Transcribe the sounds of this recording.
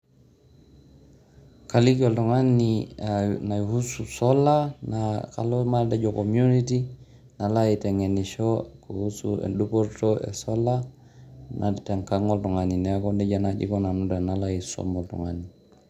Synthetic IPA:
kalikɔltuŋani | nahususɔlanaka̰lomaldɛd͡ʒɔkomjuniti | nalaitɛŋɛniʃɔkohusṵḛdupoɾtoɛ̰sɔla | nʔa̰tɛŋkaŋɔltuŋaninɛkɔndɛɟanad͡ʒḭkɔnanudanalaiso̰mɔltṵŋani

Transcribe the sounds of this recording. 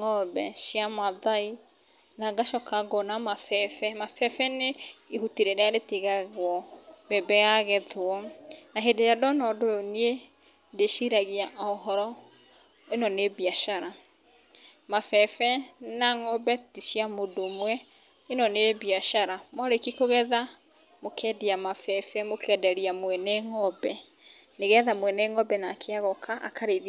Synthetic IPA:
ŋɔbɛʃiamaðai | naɡaʃɔkaɡɔnamafɛfɛmafɛfɛneihutiɾeɾɛaɾetiɣaɣwɔbɛbɛɣaɣɛðwɔnaɦedejadɔnɔdoonie | ndeʃiɾaɣiaʔɔɦɔɾɔ | enɔnebiaʃaɾa | mafɛfɛnaŋɔbɛtiʃiamodomwɛ | enɔnebiaʃaɾamwaɾekikoɣɛða | mokʰɛdiamafɛfɛmokʰɛdɛɾiamwɛnɛŋɔbɛ | neɣɛðamwɛnɛŋɔbɛnaːkʰeaɣɔkʰaʔa̰kaɾeð

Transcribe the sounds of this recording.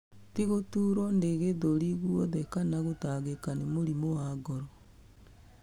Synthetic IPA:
tiɣotuːɾɔndeɣeðoɾiɣwɔðɛkanaɣotaɣekanemoɾimowaɡɔɾɔ

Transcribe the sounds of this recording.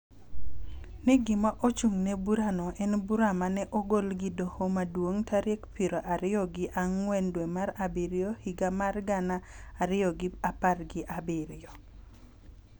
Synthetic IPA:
nɪɡɪmaʔot͡ʃuŋnɛbuɾanɔʔɛnbuɾamanɛʔoɡolɡɪdohomadwoŋtʰaɾekpiɾoʔaɾɪɔɡɪʔaŋwɛndwɛmaɾabiɾɪohiɡamarɡanaaɾɪɔɡɪaparɡɪʔabɪɾɪɔ

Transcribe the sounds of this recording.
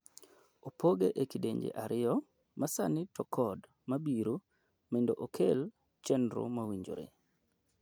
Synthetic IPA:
opʰoɡeʔekideɲd͡ʒḛʔaɾʔɪɔ | mʔasanɪtɔkʰɔd | mabiɾu | mendoʔokʰel | t͡ʃɛnɾṵmawiɲd͡ʒo̰ɾḛ

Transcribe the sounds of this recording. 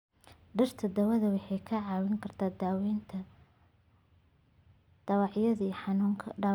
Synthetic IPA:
ɖɐrt̪ʰɐd̪ɐwɐðɐwɑħɑjkʰɐʕɑːwɪŋkʰɐrt̪ʰaːd̪wnt̪ʰɐ | d̪̥ɐwɑʕjɐðiħɑnːŋkʰɐ

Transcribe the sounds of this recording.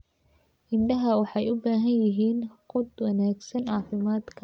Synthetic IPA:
ʔɪnɖɐɦɐwɑħɑjʊbaːɦɐnjɪɦiːnqʊd̪wɐnaːɡsɐnɑːfɪmaːd̪kʰɐ

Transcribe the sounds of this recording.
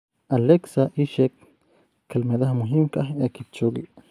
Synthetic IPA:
aleksaʔiʃekː | almeðahmoɦimkahekit͡ʃoɡḭʔ

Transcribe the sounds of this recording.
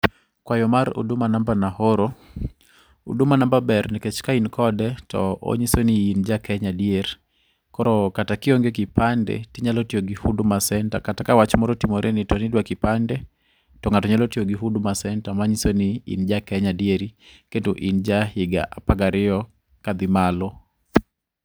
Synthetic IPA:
kwajɔmaɾṵdumanambanahoɾo | ṵdumanambabɛɾniket͡ʃkainkʰɔdɛtɔ̰o̰ɲisoniːnd͡ʒakɛɲadieɾ | kɔɾɔkatakɪoŋɡekipandɛ̰tiɲalotioɡihudʊmasɛntakatakawat͡ʃmɔɾɔtimoɾʔenitɔnidwakɪpandɛ | tɔŋatɔɲalotioɡiɦudʊmasɛntamaɲisoniḭnd͡ʒakɛɲadieɾiketuʔind͡ʒahɪɡa̰ʔapaɡaɾɪɔ | kad̪ɪmalɔ

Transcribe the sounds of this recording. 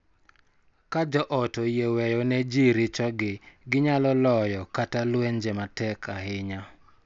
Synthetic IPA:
kad͡ʒɔʔɔtɔjewɛjɔnɛd͡ʒiɾɪt͡ʃɔɡɪɡɪɲalɔlɔjɔkatalweɲd͡ʒematɛkʰaɦɪɲa

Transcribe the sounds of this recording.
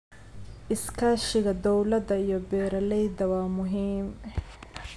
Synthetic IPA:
ʔɪskʰaːʃɪɣɐd̪ɔwlɐd̪ɐijɔbɛːɾɐlɛjd̪ɐwaːmʊɦiːm

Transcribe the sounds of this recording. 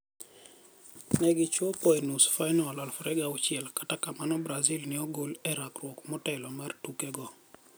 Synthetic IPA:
nɛɡɪt͡ʃopɔɛnusfajnɔlɔlfɾɛɡaɔt͡ʃɪɛlkḁtakamanɔbɾazilnɪɔɡolɛɾakrwɔkmɔtɛlɔmartukɛɡɔ

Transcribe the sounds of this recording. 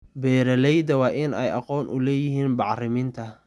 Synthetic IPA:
bɛːɾɐlɛjd̪ɐwɑːʔɪnɛ̰jɑ̰qɔːnʔʊ̰lɛːjɪɦiːnbɑʕrɪmɪnt̪ʰɐ

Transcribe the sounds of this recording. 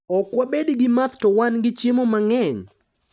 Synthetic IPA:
ɔkwabedɡɪmat̪tɔwanɡɪt͡ʃɪmomaŋɛɲ

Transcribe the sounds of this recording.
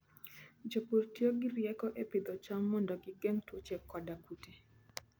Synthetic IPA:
d͡ʒopoɾtjoɡiɾjɛkɔʔepɪd̪ɔt͡ʃamːɔndɔɡɪɡɛŋtwot͡ʃɛkkːɔdakute

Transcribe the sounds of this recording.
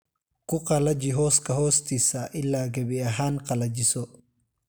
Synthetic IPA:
kʊqɐlɐd͡ʒɪɦɔːskɐɦɔːst̪isaʔɪlːaːɡɐbɪɐɦaːnqɐlɐd͡ʒɪsɔ

